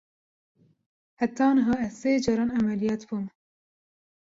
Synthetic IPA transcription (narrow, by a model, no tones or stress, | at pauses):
hæt̪ɑːnɨɦɑːɛzseːd͡ʒɑːɾɑːnæmælijɑːt̪buːm